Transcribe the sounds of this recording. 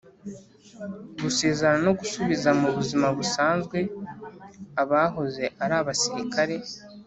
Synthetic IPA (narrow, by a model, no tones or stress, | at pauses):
ɡuse̞ːzaɾano̞ɡusuβizamuβuzimaβusaːnzɡwe̞ | aβaːɦo̞ze̞ʔaɾaːβasiɾikʰaɾe̞